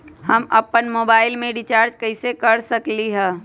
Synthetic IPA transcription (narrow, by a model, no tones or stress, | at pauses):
hɐmɐpːənmoːbaːɪlmẽɖɪt͡ʃaːɾd͡ʒkɐɪsekɐɾsəkliɦɛ̃ː